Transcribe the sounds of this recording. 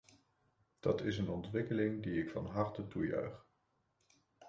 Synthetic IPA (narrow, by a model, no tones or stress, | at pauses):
d̥ɑtɪsənɔntʋɪkəlɪŋdiɪkfɑ̰nɦɑɹtətujœ̰ɥχ